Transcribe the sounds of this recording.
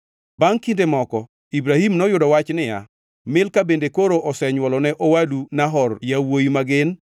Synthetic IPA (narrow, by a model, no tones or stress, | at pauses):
baŋkindemɔkɔ | ibɾahimnɔjʊdɔwat͡ʃnɪja̰ | mɪlkabendekoɾoʔɔsɛɲwɔlɔnɛʔɔwalunaɦɔrjawojimaɡɪn